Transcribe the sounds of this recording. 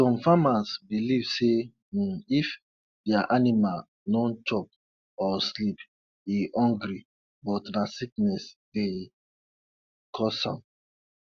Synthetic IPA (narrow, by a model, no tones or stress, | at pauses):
sɔ̃ɱfamasbilivse | if | dɛaʔanimal | nɔ̃nt͡ʃɔp̚ | ɔslip | iʔɔ̃ŋɡɾi | bɔtnasiknɛsde | kʰɔsã̰m